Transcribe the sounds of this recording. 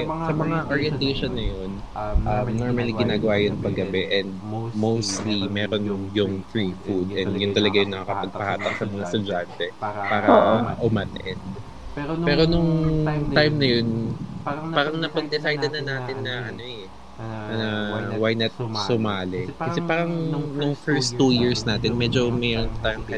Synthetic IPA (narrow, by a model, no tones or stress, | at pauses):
sɐmɐŋaʔoɹijɛnt̪ejʃonːɐjo̞n | ʔɐmno̞ɹmɐliɡɪnaːɡɐwajʊŋpɐɡːɐbɛʔɛnd̪̚mowst̪limɛːɾo̞njʊŋfifud̪ʔɛnd̪jʊŋt̪ɐlɐɡajʊŋnɐŋakɐpɐɡ̚pɐhaːt̪ɐk̚sɐmɐŋast̪ʊd͡ʒant̪ɛpaːɾɐʔʊmat̪ɛ̰ʔɛn | pɛːɾo̞nʊŋt̪ajmnɐjo̞n | paːɾɐŋnɐpɐɡ̚d̪ɪsajd̪ɐd̪nɐnaːt̪ɪnːɐʔɐno̞ɛ | ɐwajnɐt̪̚sʊmaːlɪkɐsɛpaːɾɐŋnʊŋfɛɹst̪ːujiɹsnaːt̪ɪnmɛd͡ʒo̞mɛːɾont̪aŋkɐ